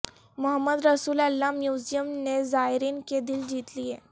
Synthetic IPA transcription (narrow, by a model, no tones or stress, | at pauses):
mʊɦəmːəd̪ɾɐsuːlɐlːamjuːzijəmnezaːɦɪɾiːnked̪ɪld͡ʒiːt̪lieː